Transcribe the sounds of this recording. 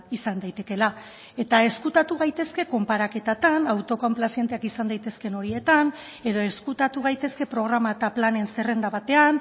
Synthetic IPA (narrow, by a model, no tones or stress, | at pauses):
isand̪ajt̪e̞ke̞la | e̞t̪ae̞skut̪at̪uɣajt̪e̞ske̞ko̞mpaɾake̞t̪at̪anawt̪o̞komplasje̞nt̪e̞akisand̪ajt̪e̞ske̞no̞ɾie̞t̪an | e̞ðo̞e̞skut̪at̪uɣ̞ajt̪e̞ske̞pɾo̞ɣ̞ɾamat̪aplane̞nse̞re̞nd̪aβat̪e̞an